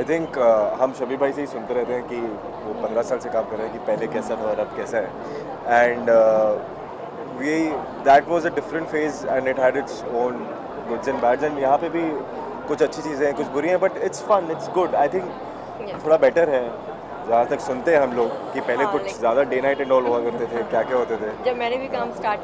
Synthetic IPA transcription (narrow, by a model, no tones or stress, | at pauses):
aɪt̪ʰɪ̃ŋkɦɐmʃɐbibʱaːiseisʊ̃nt̪eɾɛɦt̪eɦɛ̃ki | ʋopɐ̃nd̪ɾasaːlsekãːmkɐɾːeɦɛ̃kipɛɦlekɛːsat̪ʰɔɾɐb̚kɛːsaɦɛ | ɛ̃ɳɖ | ʋi | d̪æʈʋɔzəɖɪfɾə̃ɳʈfeːzɛ̰̃ɳɖɪʈɦæɖɪʈsõːn | ɡʊzə̃nbæːɖzɛ̃nɖjɐɦãpebʱi | kʊt͡ʃʰɐtːʃʰit͡ʃiːzẽɦɛ̃kʊt͡ʃʰbʊɾiɦɛ̃bɐʈɪʈsfɐ̃nɪʈsɡʊɖaːɪt̪ʰɪ̃ŋk | t̪ʰoːɽabɛːʈəɾɦɛ | zjaːd̪at̪ɐksʊnt̪eɦɛ̃ɦɐmloːɡkipɛɦlekʊt͡ʃʰzjaːd̪aɖeːnaɪʈɪ̃ɳɖɔːlɦuakɐɾt̪et̪ʰekjaːkjaɦoːt̪et̪ʰed͡ʒɐmɛːnebikɐmsʈaː